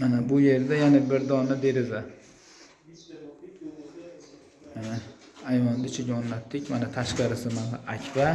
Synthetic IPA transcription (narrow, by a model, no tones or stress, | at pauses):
manabʊje̞ɾd̪ajanɪbɪɾd̪ɒnad̪e̞ɾɪza | a | ajvand̪ɪt͡ʃʰɪɡʲaɔnlat̪ʰːɪkʲmanat̪ʰaʃqɑɾɪsɪmanaʔakʲʰva